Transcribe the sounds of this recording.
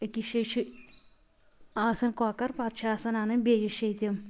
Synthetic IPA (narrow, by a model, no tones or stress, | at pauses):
ɐkiʃɐt͡ʃʰi | aːsɐnkoːkɐɾpat̪ʃɐaːsɐnaːnɐmbeːjɐʃɐjt̪jɐm